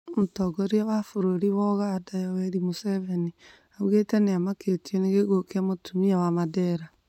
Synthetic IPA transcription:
motɔɡoɾiaβafoɾoɾiwɔɣadajawɛɾimoseβeni | aβɣeteneamaketioneɣeɣokeamotʰumiawamadɛɾa

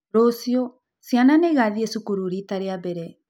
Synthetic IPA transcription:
ɾosio | siananeɣaðiesukuɾuɾitaɾeabɛɾɛ

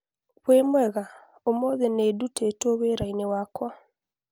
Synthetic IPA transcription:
βwemwɛɣa | omoðenedutetoweɾainewaːkwa

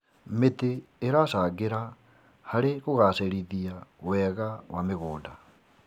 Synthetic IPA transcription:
meteːɾasaɣeɾa | haɾeɣoɣaseɾiðiawɛɣawʔameɣuːda

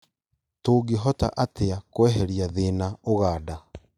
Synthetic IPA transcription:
toːɡiɦɔta̰ʔateakwɛɦɛɾijaðeːnaoɣaːda

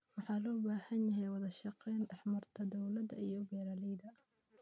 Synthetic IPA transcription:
wɑħɑːlɔːbaːhɐnjɐɦɛjwɑðɐʃɑqɛːnɑħmɐrt̪ʰɐd̪ɔwlɐd̪ɐ̰ijɔbɛːɾalɛjd̪ɐ

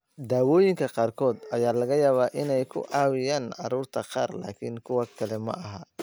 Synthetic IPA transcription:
d̪aːwɔːjɪŋkʰɐqɑːrkʰɔːd̪ɐjaːlɐɣɐjaːβaːʔɪnɛjkʰʊ̰ʔɑːwɪjaːnʕɑɾuːrt̪ʰɐqɑ̰ːrla̰ːkʰɪŋkʰʊwɐkʰɐlɛmɐ̰ʔɐɦɐ

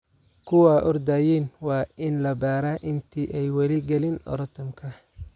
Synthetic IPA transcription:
kʰʊwɐʔɔrd̪aːjiːnwɑːɪnlɐbaːɾaːʔɪnt̪ʰiːʔɛjwɐlɪɡɐlɪnɔ̰ɾt̪ʰɔmkʰɐ

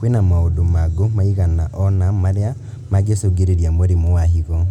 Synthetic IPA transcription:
kwenamaodomaɡomaiɣanaʔɔnamaɾea | maɡesoɡeɾeɾjamoɾemowahiɣɔ

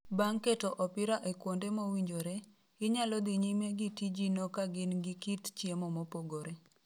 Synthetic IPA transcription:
baŋketɔʔɔpɪɾaʔekwondemowiɲd͡ʒoɾe | ɡɪɲalɔd̪iɲimeɡitid͡ʒinɔkaɡɪnɡɪkitt͡ʃjemɔmopoɡoɾe

